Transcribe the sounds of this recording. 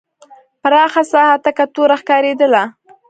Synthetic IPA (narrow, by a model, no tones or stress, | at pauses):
paɾɑxasɑhat̪akat̪oɾaxkɑɾed̪əla